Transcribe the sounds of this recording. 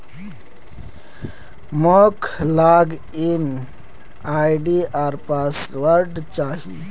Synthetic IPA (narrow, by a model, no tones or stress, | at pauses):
mokʰlaːɡ | in | ajɖiʔaɾpasʋəɾɖt͡ʃaːɦḭ